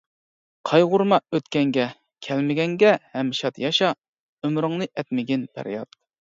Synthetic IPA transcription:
qʰɑjʁʊɾmɑøt̪kʲɛŋɡʲɛ | kʲʰælmɪɡʲɛŋɡʲɛhɛmːʃɑt̪jɑʃɑ | ømɾɨŋnɨʔɛt̪mɪɡʲinb̥æ̰ɾjɑ̰t̪̚

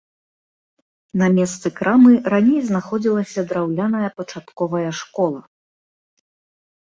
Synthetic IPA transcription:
nɐmʲɛst̪sɨkɾamɨɾanʲejznaxɔd͡zʲilˠɐsʲɐd̪ɾawlʲanɐjɐpɐt͡ʂat̪kɔvɐjɐʂkɔlˠɐ

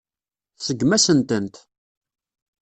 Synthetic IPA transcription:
θsəɡmæsənt̪ənt̪

